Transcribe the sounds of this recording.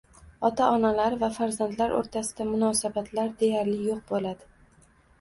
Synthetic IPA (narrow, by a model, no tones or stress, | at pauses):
ɒt̪ʰaʔɒnalaɾvafaɾzand̪laɾʔo̰ɾt̪ʰasɪd̪amʊnɒːsabat̪ʰlaɾd̪e̞jaɾlɪjoq̚bolad̪ɪ